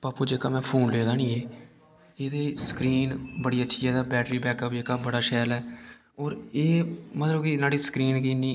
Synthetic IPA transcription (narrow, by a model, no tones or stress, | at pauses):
paːpuːd͡ʒeːkaːmɛ̃ːpʰoːnleːd̪aːnĩːeː | eːd̪eːsə̥kɾiːnbəɽiːətːʃʰiːɦɛːd̪aːbɛːʈɾiːbɛːkəpeːkaːbəɽaːʃɛːlɛː | oːɾeːmət̪ləbkɪnaːɽiːsə̥kɾiːnkiniː